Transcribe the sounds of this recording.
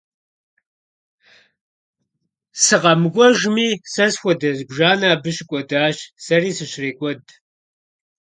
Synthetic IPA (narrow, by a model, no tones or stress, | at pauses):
sɨqɐmɨkʷʼɔʒmiːsɐsxʷɔdɐzbʒaːnaːbɨɕɪkʷʼɔdaːɕsɐriːsɨɕreːkʷʼɔd